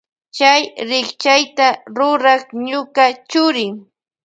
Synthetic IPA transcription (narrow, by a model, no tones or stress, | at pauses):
t͡ʃajɾɪχt͡ʃajt̪aɾʊɾɑχɲʊkat͡ʃʊɾɪŋ